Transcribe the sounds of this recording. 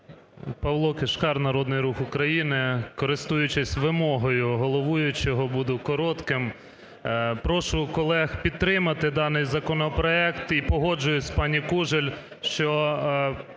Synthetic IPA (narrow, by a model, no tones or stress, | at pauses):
pɐʋlˠɔkeʃkɑrnɐɾɔd̪nɪjɾuxʊkɾɐjinɪkɔɾɪst̪ujʊt͡ʃɪsʲʋɪmɔɦɔjʊɦɔlˠɔʋujʊt͡ʃɔɦɔbud̪ʊkɔɾɔt̪kɪm | pɾɔʃʊkɔlˠɛxpʲid̪̚t̪ɾɪmɐt̪ɪd̪ɑnɪjzɐkɔnɔpɾɔɛkt̪ipɔɦɔd͡ʒʊjʊsʲpɑnʲikuʒelʲ | ʃt͡ʃɔ